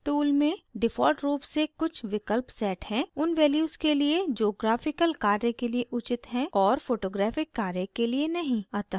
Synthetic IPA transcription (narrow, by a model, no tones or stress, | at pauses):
ʈuːlmẽɖɪfʰɔːlʈɾuːpsekʊt͡ʃʰʋɪkəlpsɛːʈhɛ̃ʊnʋɛːljuːskelied͡ʒoːɡɾaːfɪkəlkaːɾjẽkelieʔʊt͡ʃɪt̪ɦɛ̃ɔːɾfoːʈoːɡɾaːfɪkːaːɾjekelienɐɦĩaːt̪aː